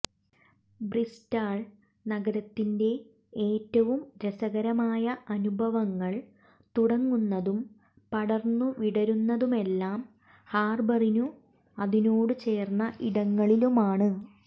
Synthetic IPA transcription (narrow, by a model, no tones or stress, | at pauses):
bristaːɭ | nɐɡɐɾɐt̪ːinde̞ | eːtːɐʋumɾesɐɣɐɾɐmaːjɐʔɐnubʱɐʋɐŋːɐɭ | t̪uɽɐŋːunːɐðum | pɐɽɐrnːuʋiɽɐɾunːɐðume̞lːaːm | haːrbɐrinu | ɐðinoːɽɨt͡ɕe̞ːrnːɐʔiɽɐŋːɐɭilumaːɳɨ